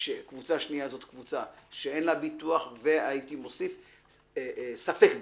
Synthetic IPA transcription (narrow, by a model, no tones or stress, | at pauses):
ʃekvut͡saʃniazo̞t̪kvut͡saʃeenlabit̪uaχve̞ait̪imo̞sif | safek